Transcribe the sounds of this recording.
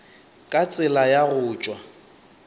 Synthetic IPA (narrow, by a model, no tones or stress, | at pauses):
kʼat͡sʼɪlajaɣʊːt͡ʃʼwa